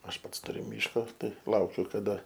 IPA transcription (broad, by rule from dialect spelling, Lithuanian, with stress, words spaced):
ˈɐʃ ˈpɐts tʊˈrʲʊ ˈmʲiːʃkoː ˈtɐɪ ˈlˠɐʊkʲʊ kɐˈdɐ